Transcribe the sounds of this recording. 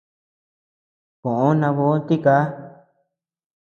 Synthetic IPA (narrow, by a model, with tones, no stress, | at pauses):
kõ˨ʔõ˦nã˧βo˧˦t̪i˦kaː˨˦